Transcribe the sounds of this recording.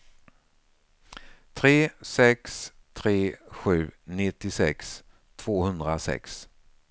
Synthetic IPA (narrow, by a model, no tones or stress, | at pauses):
t̪ʰɾeːsɛkst̪ʰɾeːɧʉ̟ːnɪt̪ːɪsɛ̰ks | t̪ʰv̥oːhɵnd̪ɾasɛ̰ks